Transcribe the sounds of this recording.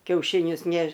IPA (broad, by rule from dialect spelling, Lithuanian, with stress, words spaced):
kʲɛʊʃʲɪˈnʲʊs ˈnʲɛʃ